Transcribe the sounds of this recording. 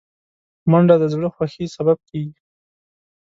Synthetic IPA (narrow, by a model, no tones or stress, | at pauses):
maɳɖad̪əzɡɽəxwaxesabab̚keɡi